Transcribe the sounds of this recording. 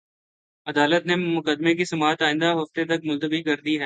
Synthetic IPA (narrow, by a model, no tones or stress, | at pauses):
ɐd̪aːlət̪nemʊkəd̪ːmek̬isɐmaːt̪aːɪ̃nd̪aɦɐft̪et̪ɐk̚mʊlt̪əbikɐɾd̪iɦɛː